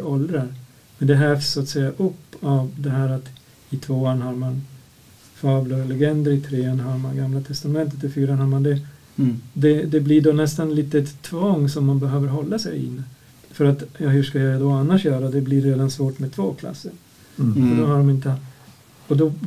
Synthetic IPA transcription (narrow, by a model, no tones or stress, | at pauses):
ɔld̪ɾaɾ | mɛnd̪ɛɦæfsːʊat̪sɛjːaʔɵpːavd̪ɛɦæːɾat̪ | ɪt̪ʰvoːanɦaɾman | faːvləɾlɛɡɛnd̪əɾɪt̪ʰɾeːanɦaɾmanɡamlat̪ʰɛst̪amɛnt̪ə̥t̪ɪfyːɾanhaɾmand̪ɛ | d̪ɛd̪ɛblɪɖonɛst̪anliːt̪əɛt̪ʰːvɔŋːsɔmːanbɛɦøːvəɾɦɔlːasɛ̰jɪ̰nː | fœɾat̪jɑhʉʂkajad̪ɔanːaʂjœːɾad̪ɛblɪɾeːd̪ansvoːʈmɛd̚t̪ʰvoːkʰla̰sːəɾ | fɔɖɔɦaɖɔmɪnt̪ə | ɔd̪ɔ